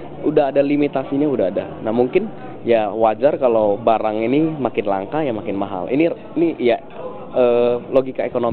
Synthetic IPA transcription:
udaɦadalimit̪asiɲaudaɦada̰namuŋkɪn | jawad͡ʒarkalobaɾaŋinimakɪnla̰ŋkajamakɪnmaɦa̰lḭni | inija | əloɡikaekono

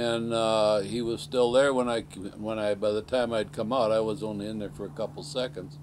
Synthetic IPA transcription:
ɨ̃niwʌz̥stɪlˠðə˞wə̃naɪwə̃naɪbaɪðɨtʰãɪ̃maɪɨd̚kʰʌ̃maʊɾaɪwʌzõʊ̃niɨ̃nðə˞fə˞ɨkʰʌpl̩ˠsɛkɨ̃ndz̥

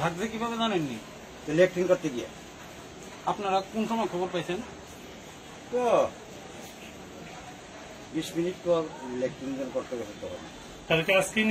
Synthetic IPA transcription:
bʱaɡd̪ekibʱabezanenːi | t̪elek̚ʈiŋkoɾt̪eɡija̰ | apnaɾakonʃɔmɔekʰɔboɾpajt͡ɕʰen | t̪o | biʃminiʈ̚pɔɾlekʈiŋd͡ʑonkoɾt̪ekɛsʰet̪ɔɦɔ̰bna̰ | t̪alkeasken

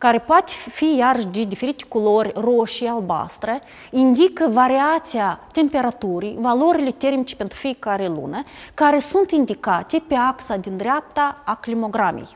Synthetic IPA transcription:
kaɾe̞poat̪ʲfijarəʃd̪ed̪ife̞ɾit̪e̥kolo̞rʲro̞ʃialba̰st̪ɾə | ind̪ikəvaɾiat̪siat̪ʲe̞mpe̞ɾat̪uɾijvalo̞ɾile̞t̪e̞rmit͡ʃepe̞nt̪ɾufijekaɾelṵnəkaɾe̞sunt̪ind̪ikat̪ʲe̞pe̞aksad̪ind̪ɾeap̚t̪aaklimo̞ɡɾamʲḛj

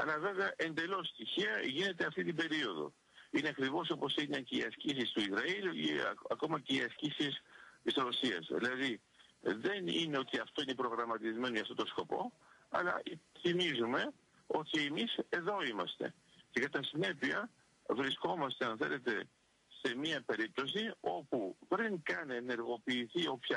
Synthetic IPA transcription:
ɐ̰lɐve̞veɐʔe̞nd̪e̞lo̞st̪içiɐʝine̞t̪eɐft̪it̪ibe̞ɾio̞ðo̞̰ | ineɐkɾivo̞so̞po̞sineceiɐscisist̪uizɾɐilḭɐko̞mɐce̞iɐscisist̪isɾo̞siɐ̰sðḭlɐði | ðe̞nine̞o̞t̪iɐft̪o̞inepɾo̞ɣɾɐmɐt̪izme̞noʝɐft̪ot̪o̞sko̞po̞̰ | ɐ̰lɐ̰θimizume̞ | o̞t̪iemise̞ðo̞imɐst̪e̞̰ | ce̞kɐt̪ɐsine̞piɐ | vɾisko̞mɐst̪eɐnθe̞̰le̞t̪e̞ | se̞miɐpe̞ɾip̚t̪o̞s̬io̞pupɾiŋkɐneneɾɣo̞piːθio̞pçɐ

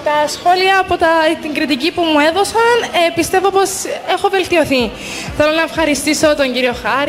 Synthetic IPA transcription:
t̪ɐsxo̞liɐːpo̞t̪ɐt̪iŋɡɾit̪icipumue̞ðo̞sɐnepist̪e̞vo̞po̞se̞xo̞ve̞lt̪io̞θi | θe̞lo̞nɐefxɐɾist̪iso̞t̪o̞ɲɟiɾio̞xɐɾ

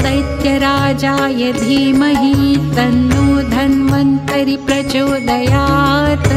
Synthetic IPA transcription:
ɐjt̪jɐɾaːd͡ʒaːjɐd̪ʱiːmɐɦit̪ɐnːuːd̪ʱɐnʋɐnt̪ɐɾipɾɐt͡ʃoːd̪ɐjaːt̪

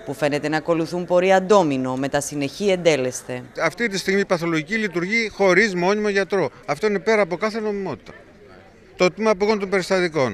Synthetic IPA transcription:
pufe̞ne̞t̪e̞nɐːko̞luθumpo̞ɾiɐnd̪o̞mino̞me̞t̪ɐsine̞çie̞nd̪e̞le̞st̪e̞ɐft̪it̪ist̪iɣmipɐθo̞loʝicilit̪̬uɾʝixo̞ɾizmo̞nimoʝɐt̪ɾo̞ɐft̪o̞ine̞pe̞ɾɐːpo̞kɐθeno̞mimo̞t̪i̥t̪ɐ̥ | t̪ot̪imɐpoɣo̞nt̪o̞mbe̞ɾist̪ɐt̪iko̞n

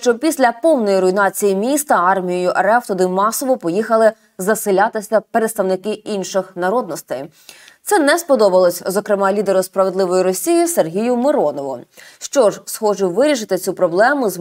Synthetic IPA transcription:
ʃt͡ʃɔpʲisʲlʲɐpɔwnɔjiɾɔinɑt͡sʲijimʲist̪ɐɑrmʲijijʊʔeɾɛft̪ɔd̪ɪmɑsɔʋɔpɔjixɐlˠɪ | zɐsɪlʲat̪ɪsʲɐpeɾet̪st̪ɐʋnɪkɪinʃɪxnɐɾɔd̪̚nɔst̪ej | t̪sɛnɛspɔd̪ɔbɐlˠɔsʲzɔkɾemɑlʲid̪eɾʊspɾɐʋed̪lˠɪʋɔjiɾɔsʲijiserɦʲijʊmɪɾɔnɔʋʊ̰ʃt͡ʃɔʒsxɔʒʊwʋɪɾʲiʃɪt̪ɪt͡sʲupɾɔblˠɛmʊz

